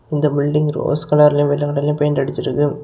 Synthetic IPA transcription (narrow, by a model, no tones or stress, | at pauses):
ɪnd̪ɐbɪlɖɪŋɡɾo̰ːskɐɽaːɾɪljõʋɪlːɐkɐɽɐɪljɐ̃pɐjɐnɖɐɽɯt͡ʃːɪɾɯkːɯ